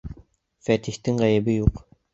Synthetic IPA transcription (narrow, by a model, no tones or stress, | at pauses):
fæt̪iht̪ɘŋʁæjɘ̆bɘjuq